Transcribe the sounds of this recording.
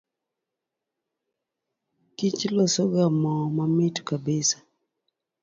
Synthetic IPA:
kit͡ʃlɔsɔɡamɔmamɪtkabɪsḁ

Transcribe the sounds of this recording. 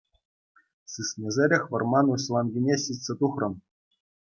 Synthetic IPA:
sɯsʲnʲĕzʲeɾʲɘ̆xʲʋɤ̆rmɑnuɕlˠɑnɡʲinʲeɕitʲsʲet̪uχrɤ̆n

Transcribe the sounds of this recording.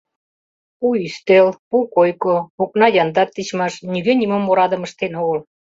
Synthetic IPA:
ujyst̪elpukojkooknɑjɑnd̪ɑt̪ːit͡ɕmɑʃniɣønʲimomːoɾɑd̪ə̆məʃt̪enoɣəl

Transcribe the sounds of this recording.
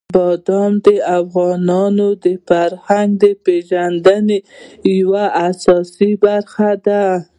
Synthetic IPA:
bɑd̪ɑmd̪əafɣɑnɑnod̪əfaɾhaŋɡd̪əpeʒand̪ənejawaʔasɑsibaɾxad̪a

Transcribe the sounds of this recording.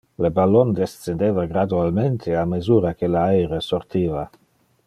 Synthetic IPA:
lebalːond̪est̪send̪eːvaɡɾad̪ualment̪ʰeamezuːɾakelajɾesort̪iːva

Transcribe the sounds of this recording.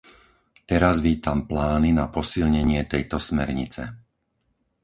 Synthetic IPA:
t̪ɛɾazʋiːt̪amplaːninapɔsilɲɛɲɪɛt̪ɛjt̪ɔsmɛɾɲit͡sɛ

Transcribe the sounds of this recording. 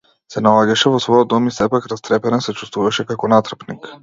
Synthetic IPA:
sɛnalˠaɟaʃɛvɔsvɔjɔd̪ːɔmisɛpakɾast̪ɾɛpɛnɛnsɛt͡ʃu̥st̪vuvaʃɛkakɔnat̪r̩pnik

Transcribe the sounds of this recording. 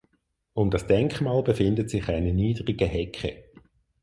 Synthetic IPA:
ʊmdɑsd̥ɛŋkχmaːlbefɪndətsɪχaɪnəniːdʁiɡəhɛkχə̰

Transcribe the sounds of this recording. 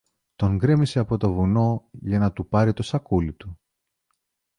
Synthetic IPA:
t̪o̞ŋɡɾe̞miseɐpo̞t̪o̞vuno̞ʝɐnɐt̪upɐɾit̪o̞sɐkulit̪u

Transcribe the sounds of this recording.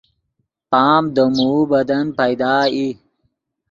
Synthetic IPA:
paːmd̪əmuːbɐd̪ɐnpɐjd̪aːi

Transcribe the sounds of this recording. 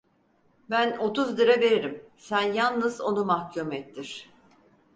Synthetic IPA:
bæno̞t̪uzd̪ɯɾabeɾiɾimsænjanˠnɯzo̞numahcʰumɛt̪ʰːiɾ̝̥

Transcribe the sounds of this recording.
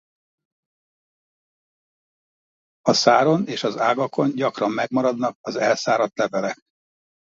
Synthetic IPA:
ɒsaːɾo̞neːʃɒzaːɡɒko̞ɲɟɒkrɒmːɛɡmɒɾɒd̪nɒkɒzɛlsaːɾɒt̪lɛvɛlɛk

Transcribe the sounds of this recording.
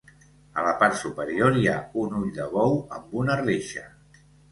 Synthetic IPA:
ələpaɾt̪supəɾioɾjaunuʎd̪əβɔwəmbunəreʃə

